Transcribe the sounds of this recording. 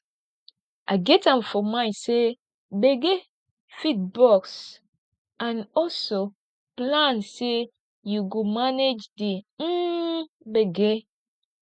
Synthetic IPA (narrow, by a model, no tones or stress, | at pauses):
ʔaɡɛtãmfɔmãɪ̃se | beɡe | fit̚bɔks | ãnɔlso | plãnse | juɡomaned͡ʒde | beɡe